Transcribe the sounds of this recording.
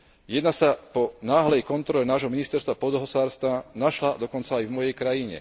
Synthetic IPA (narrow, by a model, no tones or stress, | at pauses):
jɛd̪nasapɔnaːɦlɛjkɔnt̪ɾɔlɛnaːʒɦɔminist̪ɛɾst̪ʋapɔd̪ɔɦɔsaːɾst̪ʋanaʃlad̪ɔkɔnt͡saːjvmɔjɛjkɾajiɲɛ̰